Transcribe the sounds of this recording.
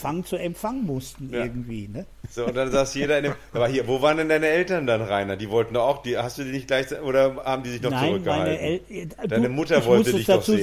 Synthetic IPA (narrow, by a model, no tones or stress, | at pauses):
faŋət͡suɛmfaŋənmʊstn̩ɐɡŋ̩tv̥iːnə | z̥oːʊnt̚d̥anzaːsjeːɾɐɪndemʔaːbɐhiːɐvoːvaːʁəndɛndaɪnəɛltɐndanʁaɪnɐdiːvɔltn̩dɔχaʊxd̥iːhastd̥uːdiːnɪçt̚ɡ̥laɪçt͡sʔoːɾɐhaːbm̩diːzɪçnɔnat͡sɪʁʏkɡ̥əaɪha̰lnəʔɛldaɪnəmʊtɐvɔlstədɪçdaɔχuː